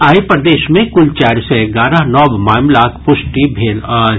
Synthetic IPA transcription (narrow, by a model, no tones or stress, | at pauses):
aːipɾɐd̪eːʃmẽkʊlt͡ʃaːɾseɡaːɾaɦnɔːbmaːɪmlaːkʰpʊʃʈibʱeːl